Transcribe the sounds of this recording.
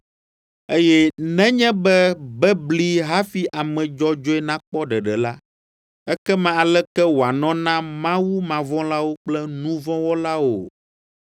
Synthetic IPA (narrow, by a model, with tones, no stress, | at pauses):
e˦jɛ˦nɛ̃˦ɲɛ̃˦bɛ˦bɛ˦bli˦ɦa˦fi˦ʔa˨mɛ̃˨d͡ʒɔ˦d͡ʒɔ˦ɛ˦nã˦k͡pɔ˦ɖɛ˨ɖɛ˨la˦ | ɛ˦kɛ˦mã˦˨a˨lɛ˦kɛ˦wo˨a˨nɔ̃˦nã˦mã˦wu˦mã˨vɔ̃˦la˦wo˦k͡plɛ˦nũ˦vɔ̃˦wɔ˦la˦wo˨